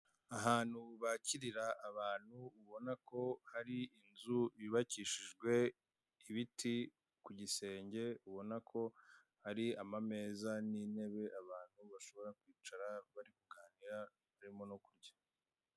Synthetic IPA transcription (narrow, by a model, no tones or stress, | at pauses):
aɦaːn̥huβaciɾiɾaʔːβaːn̥huːβo̞nako̞haɾiinzuβiβaciːʃiʒɡwe̞ | iβitʰi | kuɟise̞ːɲɟe̞uβo̞nakʰo̞ | haɾiamame̞ːzaniːne̞βe̞ʔaβaːn̥huβaʃo̞βo̞ɾakwiːt͡ʃaɾaβaɾikuɡaːniɾa | βaɾimo̞nokuɾɟḁ